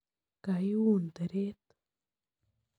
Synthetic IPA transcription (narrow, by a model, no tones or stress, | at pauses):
kajuːnd̪əɾeːt̪